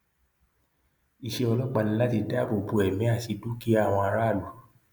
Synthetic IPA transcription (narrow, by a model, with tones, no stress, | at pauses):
i˨ʃe˧ɔ˧lɔ˦k͡pa˧nĩ˦la˦ti˧da˦˨bo˨bu˧˨ɛ˨mĩ˨˦a˦˨ti˧du˦ki˦a˦˨w̃ɔ̃˧a˧ɾa˦˨lu˨˦